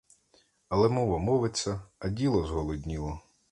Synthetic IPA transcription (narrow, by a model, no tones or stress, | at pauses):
ɐlˠɛmɔʋɐmɔʋɪt͡sʲːɐɐdʲilˠɔzɦɔlˠɔdʲnʲiʋɔ